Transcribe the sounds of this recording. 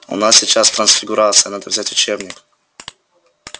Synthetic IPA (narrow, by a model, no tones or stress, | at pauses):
ʊ̰nasʲsʲɪt͡ɕast̪ɾɐnsfʲɪɡʊɾat̪sɨjənad̪əvzʲatʲʊ̥t͡ɕebnʲɪk